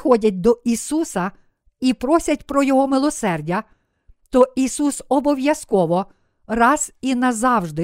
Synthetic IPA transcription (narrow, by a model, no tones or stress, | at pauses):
xɔdʲɐt̚ʲd̪ɔʔisusɐ | ipɾɔsʲɐt̚ʲpɾɔjɔɦɔmɪlˠɔsɛrdʲɐ | t̪ɔisusɔbɔʋjɐskɔʋɔ | rɑz̥inɐzɑwʒd̪ɪ